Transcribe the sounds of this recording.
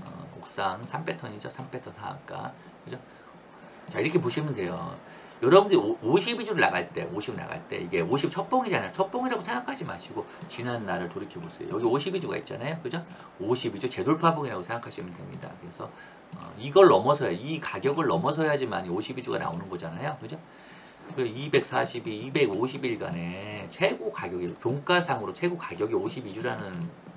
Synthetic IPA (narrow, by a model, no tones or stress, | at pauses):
ʌ̰o̰k̚s͈aŋsʰampʰe̞tʰʌɲid͡ʑo̰sʰampʰe̞tʰʌnsʰaa̰k͈a̰ | kɯd͡ʑo | t͡ɕaiɾʌkʰe̞poɕʰimɯnde̞jo | jʌɾʌbundioɕʰibid͡ʑuɾɯɭna̰ɡaɭt͈e̞̰oɕʰibna̰ɡa̰ɭt͈e̞̰iɡe̞oɕʰip̚t͡ɕʰʌp͈ʌŋid͡ʑanajt͡ɕʰʌp͈ʌŋiɾaɡosʰe̞ŋɡakʰaɕʰima̰ɕʰiɡo | t͡ɕinanːaɾɯɭtoɾikʰibos͈ɯjo̰jʌɡioɕʰibid͡ʑuɡa̰it̚t͡ɕ͈anajokɯd͡ʑo | oɕʰibid͡ʑot͡ɕe̞doɭpʰaboŋiɾaɡosʰe̞ŋɡakʰaɕʰimɯnde̞mɲḭda̰kɯɾe̞sʰʌ | ʌ̰iɡʌɭːʌmʌsʰʌjaikaɡjʌɡɯɭːʌmʌsʰʌjad͡ʑimanioɕʰibid͡ʑuɡa̰na̰onɯnɡʌd͡ʑanajokɯd͡ʑo | kɯeibe̞k̚s͈aɕʰibiːbe̞ɡoɕʰibiɭɡa̰ne̞t͡ɕʰwe̞ɡokaɡjʌɡiot͡ɕoŋk͈asʰaŋɯɾot͡ɕʰwe̞ɡokaɡjʌɡioɕʰibid͡ʑuɾanɯn